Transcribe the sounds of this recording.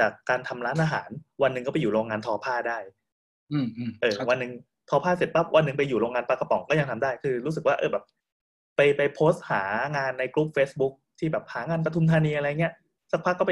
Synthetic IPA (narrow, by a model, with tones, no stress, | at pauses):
t͡ɕaː˨˩kːaː˧nt̪ʰa˧mɾaː˦˥nʔaː˧ɦa̰ː˩˦nwa˧nːɯ˨ŋkɔ˥˩pa˧juː˨˩ɾoː˧ŋːaː˧nt̪ʰɔː˧pʰaː˥˩daː˥˩j | ʔɤː˧˩wa˧nːɯ˨˩ŋ | t̪ʰɔː˧pʰaː˥˩se˨˩t̪̚pa˦˥p̚wʔa˧nːɯ˨˩ŋp̬a˧jːuː˨˩ɾoː˧ŋaː˧npaː˧˩ka˧pɔ˨˩ŋkɔː˥˩ja˧ŋt̪ʰa˧mdaː˥˩jkʰɯː˧ɾuː˦˥s̬ɯ˨˩k̚waː˥˩ʔɤ̰ː˧˩bɛː˨˩p̚ː | a˧jpa˧jpʰoː˦˥st̪̚haː˩˦ŋaː˧nːa˧jkɾu˦˥p̚feː˦˥sbu˦˥k̚t̪ʰiː˥˩bɛː˨˩p̚haː˩˦ŋaː˧npɾa˧t̪ʰu˧mt̪ʰaː˧niː˧ʔa˧ɾa˧jːa˨ŋi˦˥ɐ | sa˦˥k̚pʰa˦˥kːɔː˥˩p